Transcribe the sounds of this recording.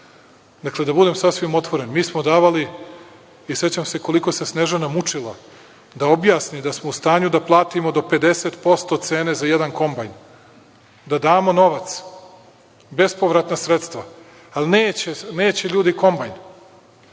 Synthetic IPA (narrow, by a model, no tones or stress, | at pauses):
d̪akle̞d̪abud̪e̞msasʋimo̞t̪ʋo̞ɾe̞nmiːsmo̞d̪aːʋali | ise̞t͡ɕamse̞ko̞likose̞sneʒenamut͡ʂilˠa | d̪ao̞bjaːsnid̪asmo̞ust̪aːɲud̪aplˠaːt̪imo̞d̪o̞pe̞d̪e̞set̪po̞st̪o̞t̪se̞ːne̞zajed̪anko̞mbajn | d̪ad̪aːmo̞no̞ʋat̪s | be̞spo̞ʋɾat̪nasɾet̪st̪ʋa | alineːt͡ɕeneːt͡ɕe̞ʎuːd̪iko̞mbajn